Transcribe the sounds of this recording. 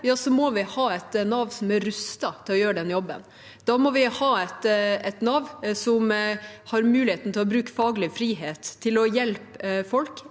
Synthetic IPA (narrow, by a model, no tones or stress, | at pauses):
jɑːsɔmɔʋɪhɑːɛt̪nɑʋsɔmæɾʉst̪ɑt̪ʰɪlɔjøːɾəɖɛnjɔbːə̰n | d̪̥ɑmɔʋɪhɑːɛt̪ɛt̪nɑʋsɔmhɑɾmʉːlɪheːt̪n̩t̪ʰɪlɔbɾʉːkfɑːɡlɪfɾiːɦeːt̪ʰːɪlɔjɛlpfɔlk